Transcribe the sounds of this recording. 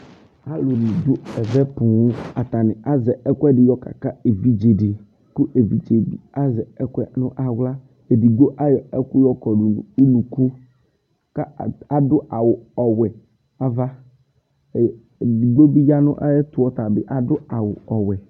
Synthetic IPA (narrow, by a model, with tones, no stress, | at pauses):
a˦lo˨nĩ˨d̪ʊ˦ɛ˨vɛ˦pũ˨wu˦a˨t̪a˨nɪ̃˨a˦zɛ˨ɛ˦kʷɛ˦ɖɪ˨jɔ˦ka̰˨ka˦e˨vi˦d͡ʒe˨ɖɪ˨ | ku˦ʔe˨vi˨d͡ʒe˨bḭ˨a˦zɛ˨ɛ˦kʷɛ˦nʊ̃˦ʔa˦wla˦ | e˨bi˨ɡ͡bo˦ʔa˦jɔ˨ɛ˦ku˦jɔ˦kɔ˨ɖu˨u˦nũ˨ku˦ | ka˦˨a˨dʊ˦ʔa˨wʊ˨ɔ˨wɛ˨ | a˦va˦˨ | bi˨ɡ͡bo˦bi˦ja˦nʊ̰̃˦ʔa̰˦jɛ˦t̪ʊ˦wɔ˦t̪a˨bɪ˦ʔa˨dʊ˦a˨wʊ˨ɔ˨wɛ˨